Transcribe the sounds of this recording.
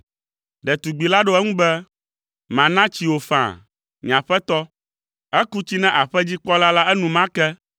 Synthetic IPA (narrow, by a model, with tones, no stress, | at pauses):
ɖɛ˨t̪u˨ɡ͡bi˨la˦ɖo˦ɛ˦ŋũ˦bɛ˦ | mã˨nã˦t͡ɕi˨wo˨fã̰˨ | ɲ̃˨ã˨ɸɛ˦t̪ɔ˦ | ɛ˦ku˦t͡ɕi˦nɛ̃˦ʔa˨ɸɛ˦d͡ʑi˦k͡pɔ˦la˦la˦ɛ˦nũ˨mã˦kɛ˦